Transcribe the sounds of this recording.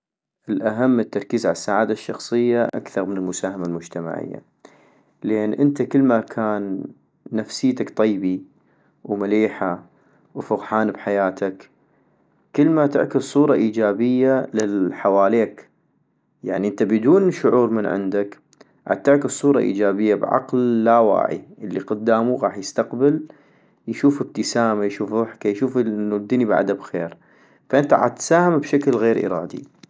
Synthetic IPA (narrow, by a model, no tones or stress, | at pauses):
ʔɪlʔaɦamːət̪ːɑɾˤkiːzʕa̰lasːaʕaːd̪aʃːɑxsˤɨjːaʔa̰kθɑɾˤmɪnɪlmʊsaːhamalmʊd͡ʒt̪ama̰ʕɪ̰jːa̰ | leːnʔɪnt̪akəlːmakʰaːnː | afsɪːt̪akt̪ˤijbi | wmɪliːħa | wfʊɣħaːnbħajaːt̪ʰak | kəlːmat̪ɪ̰ʕkɪssˤuːɾˤɑʔiːd͡ʒaːbɪjːalɪlħawaːleːk | ja̰ʕniʔənt̪abɪd̪uːnʃʊʕuːɾmɪnʕɪ̰nd̪ak | ʕa̰t̪ːɪʕkɪsˤːuːɾˤɑ̰ʔḭːd͡ʒaːbɪjːabʕɑ̰qlːawa̰ːʕḭʔəlːiqʊd̪ːaːmuɣɑːħjəst̪aqbɪl | jʃuːfɪb̚t̪əsaːmajʃuːfðˤɨħkajʃuːfnːud̪inibʕa̰d̪abxeːɾ | faʔɪnt̪aʕa̰t̪saːhamabʃaklɣeːɾʔḭɾɑːd̪ḭ